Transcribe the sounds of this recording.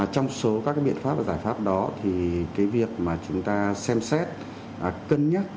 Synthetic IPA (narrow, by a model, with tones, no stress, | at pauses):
t͡ɕɔ˧wŋ͡mso˨˦ka˦kaː˨˦jɓḭ˧˨ə˨nfa˦˥p̚vaː˨˩zaː˧˩jfaː˦˥p̚ɗɔ˨˦t̪ʰi˨˩kaː˨˦jvi˨˩ək̚maː˨˩t͡ɕʊ˨˦ŋ͡mt̪aː˧sɛ˧msɛ˦˥t̚ | ʔkə˧nɲə˦˥t̚